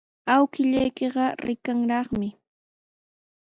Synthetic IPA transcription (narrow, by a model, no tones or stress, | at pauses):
awkɪʎajkeɢɑɾɪkaŋɾɑχmɪ